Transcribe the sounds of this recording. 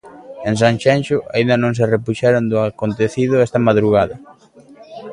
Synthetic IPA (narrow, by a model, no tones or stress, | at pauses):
ẽns̬aŋʃɛnʃʊʔaĩnd̪ɐnõŋs̬erepuʃɛɾond̪ʊakont̪eθið̞ʊɛst̪ɐmaðɾuɣaðɐ